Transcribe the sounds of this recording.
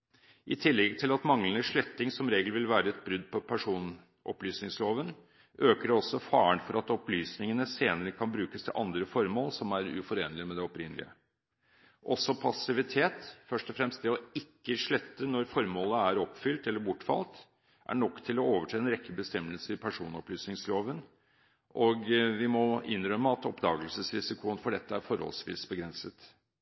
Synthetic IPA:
ʔɪt̪ʰɪlːɛɡt̪ʰɪlɑt̪mɑŋlənəʂɭɛt̪ːɪŋsɔmɾeːɡlʋɪlʋæːɾəɛt̪̚bɾʉd̪ːpʰɔpʰæʂuːn | ʔɔ̰plyːsnɪŋsloːʋən | ʔøːkəɖɛɔsːɔfɑːəɳfɔɾɑt̪ɔplyːsnɪŋənəseːnəɾəkʰɑnbɾʉːkəst̪ʰɪ̰lʔɑnd̪ɾəfɔɾmoːlsɔmæɾʉ̰fɔɾeːnəlɪmɛd̪ɛɔpɾɪnəlɪ̰ə̰ | ʔɔsɔpʰɑsɪʋɪt̪ʰeːt̪fœʂʈɔfɾɛmst̪̚d̪ɛɔɪkːəʂɭœt̪ːənɔɾfɔɾmoːləæɾɔpfʏlt̪ɛlːəɾbʊʈːfɑ̰lt̪ | ʔæ̰ɳɔkːt̪ʰɪlɔoːʋəʈʰeːɛnɾɛkːəbəst̪ɛmːəlsəɾɪpʰæʂuːnɔplyːsnɪŋsloːʋən | ʔɔɡʋɪmɔʔɪnːɾœmːəɑt̪ɔpd̪ɑːɡəlsəsɾɪsɪkʰʊənfɔɖɛt̪ːəæɾfɔɾhɔ̰lsʋḭːsbəɡɾɛnsət̪

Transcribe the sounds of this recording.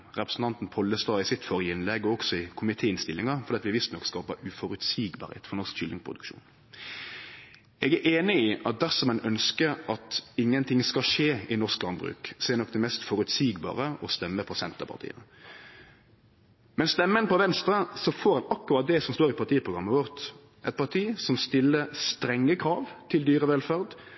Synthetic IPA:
ʁɛpɾəsn̩t̪ɑnt̪n̩pʰɔlːəst̪ɑːɪsɪt̪fɔɾjəɪnlɛɡɔɔksɔɪkʰʊmɪt̪ʰeːɪnst̪ɪlːɪŋɑfɔd̪iːt̪ʋɪʋɪst̪nɔkskɑːpəʉfɔɾʉt̪siːɡbɑ̰ɾhḛːt̪fɔnɔʁskʃʏlɪŋpʰʁʊd̪ʉ̰kʃṵːn | ɛɡæʔeːnɪɪʔɑt̪̚d̪æɾsɔmɛnœnskəɾɑt̪ɪŋːənt̪ʰɪŋskɑʂeːɪnɔsklɑnbɾʉ̰ːkseːnɔk̚ːd̪ɛmɛst̪fɔɾʉt̪siːɡbɑ̰ːʁəɔst̪ɛmːəpʰɔsɛnt̪əpʰɑ̰ʁt̪ḭːə | mɛnst̪ɛmːənpʰɔʋɛnst̪ɾəsɔfoːɾɑnɑkːʉɑt̪̚d̪ɛsɔmst̪oːʁɪpʰɑʁt̪iːəpʰʁʊɡɾɑmːəʋɔʁt̪ | ʔɛɪt̪̚pɑt̪ʰiːsɔmst̪ɪlːəst̪ɾɛŋːəkʰɾɑːʋt̪ʰɪld̪yːɾəʋɛlfæʁd̪

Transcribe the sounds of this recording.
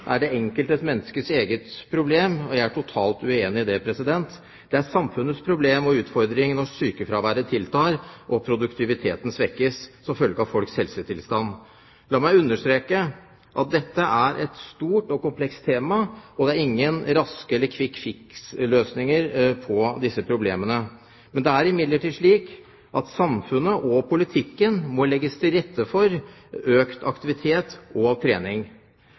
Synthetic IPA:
ʔæɖɛɛŋkəlt̪ɛt̪mɛnːskəseːɡət̪pʰɾʊbleːmɔjæɪæʈʰʊt̪ʰɑːlt̪ʉeːnɪd̪ɛpʰɾɛsɪd̪ɛnt̪ | d̪̥ɛæsɑmfʉnət̪spʰɾʊbleːmɔʉːt̪fɔɾd̪ɾɪŋnɔsyːkəfɾɑːʋæːɾət̪ʰɪlt̪ʰɑːɾʔɔpʰɾʊd̪ʉkt̪ʰɪʋɪt̪ʰḛːt̪n̩sʋɛkːəssɔmfœlɡəɑʋfɔlkshɛlsət̪ʰɪlst̪ɑnː | lɑːmæɪʉnːəʂt̪ɾeːkə | ʔɑt̪̚d̪ɛt̪ːəʔæɾʔɛt̪st̪uːʈɔkʊmpʰlɛkst̪ʰeːmɑɔd̪ɛæɾɪŋːənɾɑskəɛlːəkʰʋɪkfɪksløːsnɪŋəɾpʰɔd̪ɪsːəpʰɾʊblḛːmənə | mɛnd̪ɛæɾɪmɪd̪ləʈiːd̪ʂɭiːk | ʔɑt̪sɑmfʉnəʔɔpʰʊlɪt̪ʰɪkːənmɔlɛɡːəst̪ʰɪlɾɛt̪ːəfɔɾ | øːkt̪ʰɑ̰kt̪ɪʋɪt̪ʰeːt̪ɔɑʋt̪ʰɾeːnɪŋ

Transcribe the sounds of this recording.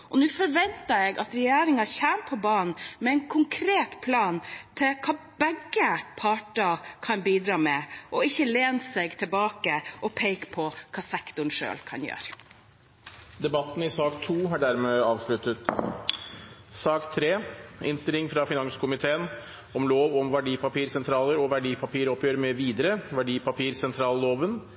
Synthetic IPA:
ʔɔnʉːfɔɾʋɛnt̪ɑɾɛɡʔɑt̪ɾɛjæːɾɪŋɑçæːmpʰɔbɑːnn̩mɛɛɪnkʰʊŋkʰɾeːt̪pʰlɑːnt̪ʰɪlkʰɑː | bæɡːəpʰɑːʈɑkʰɑnbiːd̪ɾɑːmɛʔɔɪçːəleːnsɛɡt̪ʰɛlbɑːkəʔɔpʰeɪkpʰɔkʰɑːsɛkt̪ʊɳʂø̰ːlkʰɑ̰njø̰ːɾ | d̪ɛbɑt̪ːn̩ɪsɑːkt̪ʰuːɦɑɖæɾmeːɑːʋʂɭʉt̪ət̪ | sɑːkt̪ʰɾeːɪnst̪ɪlɪŋfɾɑfɪnɑŋskʰʊmɪt̪ʰeːən | ɔmloːʋɔmʋæɖiːpɑpiːɾsɛnt̪ʰɾɑːləɾɔʋæɖiːpʰɑpiːɾɔpːjøːɾmɛʋiːd̪əɾəʋæɖiːpɑpiːɾsɛnt̪ʰɾɑːlloːʋən

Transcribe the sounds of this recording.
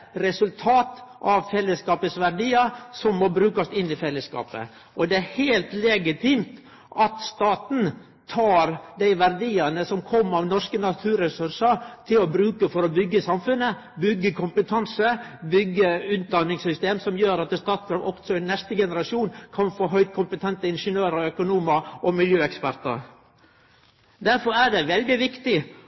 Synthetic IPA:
ɾɛsʉlt̪ʰɑːt̪ʔɑʋfɛlːəskɑːpəsʋæɾɖiːəsɔmːɔbɾʉːkɑst̪ɪnːɪfɛlːəskɑ̰ːpə̰ | ʔɔd̪ɛæɾheːlt̪lɛɡɪt̪ʰiːmt̪ | ʔɑt̪st̪ɑːt̪n̩ | t̪ʰɑːɾd̪æɪʋæɾd̪iːənəsɔmkʰɔmːɑʋnɔʂkənɑt̪ʰʉːɾɛsʉɾʂəɾt̪ʰɪlɔbɾʉːkəfɔɾɔbʏɡːəsɑmfʉnːə | bʏɡːəkʰʊmpət̪ʰɑnsəbʏɡːəʉːt̪̚d̪ɑnːɪŋsʏst̪eːmsɔmjøːɾɑt̪st̪ɑːt̪sɡɾɑʋɔksɔɛnːɛst̪əɡɛnəɾɑʂuːnkʰɑnfoːɦœʏd̪̚kʰʊmpət̪ʰɛnt̪əɪnʂənøːɾəœkʊnuːməʔɔmɪljøːɛkspæɾt̪ə̰ɾ | d̪æɾfɔɾæɖɛʋɛld̪ɪʋɪkt̪ɪ

